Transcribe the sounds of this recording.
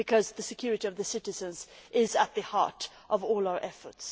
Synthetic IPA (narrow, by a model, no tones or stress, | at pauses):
bɨkʰʌzðɨsɨkʰj̥ʊɹɨɾiʌvðɨsɪɾɨzɨ̃nzʔɪzət̪̚ðɨhɑ̰ɹɾ | ʔʌvɔːlˠaʊə˞ʔɛfə˞ts